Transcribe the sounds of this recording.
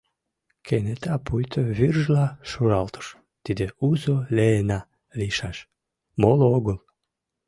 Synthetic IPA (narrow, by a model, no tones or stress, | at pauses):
kʰenet̪ɑpujt̪ʰəβyrʒlɑʃuɾɑlt̪ə̥ʃ | t̪id̪euzoleːnɑ | liʃɑʃ | molooɣəl